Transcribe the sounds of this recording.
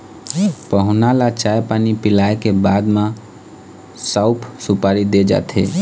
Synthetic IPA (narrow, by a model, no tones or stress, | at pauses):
pəɦʊnalat͡ʃaepanipɪlaekebad̪mã | saʊpʰsupaɾid̪ed͡ʒa̰t̪ʰe